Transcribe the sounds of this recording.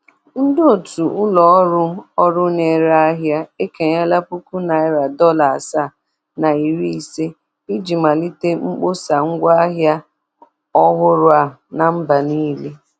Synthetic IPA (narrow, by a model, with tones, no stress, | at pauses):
n̩˦do˨tu˨ʊ˦lɔ˨ɔ˦ɾʊ˦ɔ˦ɾʊ˦ne˨ɾa˦a˦ɦja˦e˦ke˨ɲa˦la˦pu˦ku˦na˨ɪ˦ɾa˨dɔ˦la˨sa˦˨ | na˨i˨ɾi˦i˨se˦ | i˦d͡ʒi˨ma˨li˦te˦ŋ͡m̩˦k͡po˦sa˨ŋ̩˦ɡʷa˦a˦ɦja˦ | ɔ˦ɦʊ˦ɾʊ˦a˨na˨m̩˦ba˨niː˦le˦